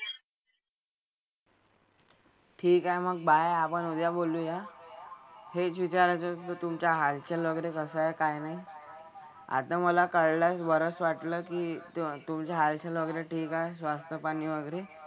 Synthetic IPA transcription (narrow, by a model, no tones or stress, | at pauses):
ʈʰiːkaeməɡ̚baeapəɳud̪jaboluja | het͡sʋit͡ɕaɾat͡sət̪ət̪umt͡ɕjaɦalt͡ɕalʋəɡɾekəsaekajnaj | a̰t̪ãməlakəɭlasbəɾət͡sʋaʈləːkiːt̪umt͡ɕjaɦalt͡ɕalʋəɡɾeʈʰiːkaesʋast̪əpañiːʋəɡɾe